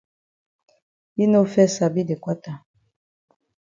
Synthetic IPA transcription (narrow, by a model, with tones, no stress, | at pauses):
bi˦no˦fɛ˦sa˨bi˦de˨kwa˦ta˨